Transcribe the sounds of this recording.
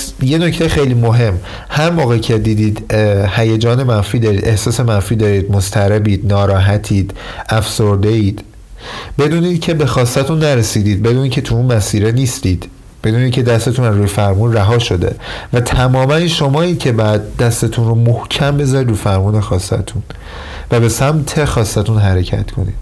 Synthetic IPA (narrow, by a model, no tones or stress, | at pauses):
je̞no̞cʰt̪ejxejliːmoɦe̞mː | hæɾmɒːɣecʰe̞d̪iːd̪iːd̪hæjed͡ʒɒːne̞mænfiːd̪ɒːɾiːd̪e̞hsɒːse̞mænfiːd̪ɒːɾiːd̪most̪ʰæɾebiːd̪nɒːɾɒːɦæt̪ʰiːd̪̥ | æfso̞ɾd̪e̞iːd̪̥ | be̞d̪uːniːd̪̥cʰe̞be̞xɒːsːæt̪ʰunːæɾesiːd̪iːd̪̚be̞d̪uːniːcʰe̞t̪ʰuunmæsiːɾeniːst̪iːd̪̥ | b̥e̞d̪uːniːcʰe̞d̪æst̪e̞t̪ʰunæzɾuːjefæɾmuːnræɦɒːʃo̞d̪ḛvæt̪ʰæmɒːmænːʃo̞mɒːiːcʰe̞bɒjæd̪̚d̪æst̪et̪ʰunromohcʰæmbe̞zɒːɾiːd̪ɾuːfæɾmuːnexɒːsːæ̰t̪ʰun | væbe̞sæmt̪ʰe̞xɒːst̪æt̪ʰunɦæɾe̞cʰæ̰t̪kʰo̞̰nḭːd̪̥